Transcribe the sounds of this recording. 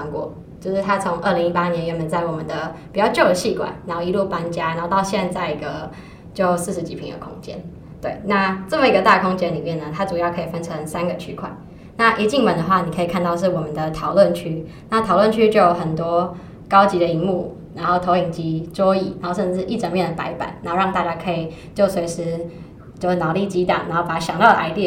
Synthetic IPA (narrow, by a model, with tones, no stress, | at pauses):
a˧˥ŋkwɔ̰˧˦ | t͡ɕjo˥˧ʊʂɻ̩˥˩t̪ʰa˥t͡sʰʊ˧˦ŋʔə˥˩li˧˥ŋi˥pa˥njɛ˧˥nɥɛ˧˥nmə˧˦nt͡sa˥˩ɪwɔ˨˩mə˨˦nd̪ə˩pi˨˩t͡ɕjɑ˥˧ʊt͡ɕjo˥˩ʊd̪ə˩ɕi˥˩kwa̰˨˩˦nɻa˧˥nxo˥˧i˧˥lu˥˩pa˥nt͡ɕja˥na˨˧˦xo˥˧t̪ɑ˥˧ʊɕjɛ˥˧nt͡sa˥˩ɪi˧˥ɡə˧ | t͡ɕjo˥˧ʊsɹ̩˥˩ʂɻ̩˧˥t͡ɕi˨˩pʰi˧˥ŋd̪ə̰˧˩kʰʊ̰˥ŋt͡ɕjɛ̰˥n | t̪we˥˩ɪna˥˧ʈ͡ʂə˥˩mə˨˩i˧ɡə˧t̪a˥˩kʰʊ˥ŋt͡ɕjɛ˥nli˨˩mjɛ˥˩nːə˩t̪ʰa˥ʈ͡ʂu˨˩jɑ˥˩ʊkʰɤ˧˥i˨˩fə˥nʈ͡ʂʰɤ˧˦ŋsa˥nɡə˨t͡ɕʰy˥kʰwa̰˨˩˦n | na˥˩ʔi˧˥t͡ɕi˥˩ŋmə˨˩nd̪ə˩˧xwa˥˩ni˨˩kʰə˧˥i˨˩kʰa˥˧nt̪ɑ˥˧ʊʂ̬̩˥˩wɔ˨˩mə˨nd̪ə˨t̪ʰɑ˨˩ʊlwə˥˨nt͡ɕʰy˥ | na˥˩t̪ʰɑ˨˩ʊlwə˥˨nt͡ɕʰy˥t͡ɕjo˥˩jo˨˩xə˨˩nt̪wɔ˥ | kɑ˥ʊt͡ɕi˧˥d̪ə˨i˧˥ŋmu˥˩ | na˧˥nxo˥˩ʊt̪ʰo˧˥ʊi˨˩ŋt͡ɕi˧˥t͡swɔ˥i˨˩na˧˦nxo˥˧ʊʂə˥˧nʈ͡ʂɻ̩˥˧˩ʔi˥˩ʈ͡ʂə˧˥ŋmjɛ˥˩nd̪ə˩pa˧˥ɪpa̰˨˩˦na˨˧˥o˥˧ɻɑ˥˧ŋt̪a˥˧t͡ɕja˥kʰɤ˧˥i˨˩ | t͡ɕjo˥˩ʊswe˧˥ɪʂɻ̩˥ | t͡ɕo˥˧˥nɑ˨˩li˥˩t͡ɕi˧˥t̪ɑ̰˨˩ŋna̰˧˥nxo˥˩ʊpa˨˩ɕjɑ˨˩ŋt̪ɑ˥˩ʊd̪ə˨ʔa˧˥ɪt̪i˥˩